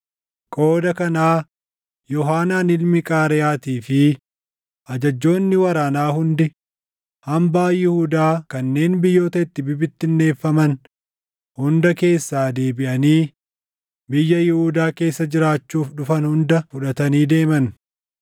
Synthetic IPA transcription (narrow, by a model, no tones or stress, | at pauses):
kʼo̞ːd̪ɐkɐnaː | jɔɦaːnaːnɪlmɪkʼaːɾɛjaːt̪iːfɪ | ʔɐd͡ʒɐd͡ʒːo̞ːnːɪwɐɾaːnaːhʊnd̪ɪ | hɐmbaːjɪhud̪aːkɐnːe̞ːnbɪjːo̞ːt̪ɐɪt̪ːɪbɪbɪt̪ːɪnːe̞ːfːɐmɐn | hʊnd̪ɐke̞ːsːaːd̪e̞ːbɪʔɐniː | bɪjːɐjɪhuːd̪aːke̞ːsːɐd͡ʒɪɾaːt͡ʃːuːfᶑʊfɐnhʊnd̪ɐfʊᶑɐt̪ɐniːd̪e̞ːmɐn